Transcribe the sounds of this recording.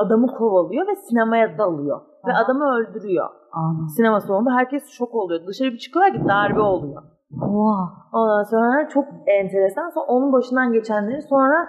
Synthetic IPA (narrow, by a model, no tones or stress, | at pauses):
ad̪amɯkʰo̞valˠujo̞vɛsinemajat̪ʰːaːlˠɯjo̰ | vɛad̪amɯø̞lʲd̪yɾyjo̰ | asinemasound̪uɦæɾcɛst͡ʃʰo̞ko̞lˠujod̪ɯʃaɾɯbit͡ʃʰɯ̥kɯlˠaɾcid̪aɾbɛo̞lˠujo | ao̞nd̪anso̞nɾaɾat͡ʃʰo̞k̚ɛnt̪ʰe̞ɾɛsansoo̞nunbaʃɯnd̪anɟe̞t͡ʃʰɛnlʲeɾinso̞nɾa